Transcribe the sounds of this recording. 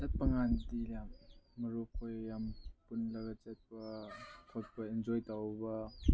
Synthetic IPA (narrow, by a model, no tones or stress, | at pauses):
zet̚pɐŋandilamːɐɾukʰojjampunlɐɡat͡ʃet̚pɐtʰɔt̚pɐind͡ʒɔjtawbɐ